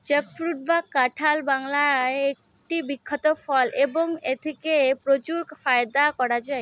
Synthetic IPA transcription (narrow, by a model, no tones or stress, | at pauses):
t͡ɕəkfɾuʈ̚bakːaʈʰalbaŋlaek̚ | ʈibikʰːɔt̪ofʰɔleboŋet̪ʰekepɾot͡ɕuɾkfajd̪akɔɾad͡ʑae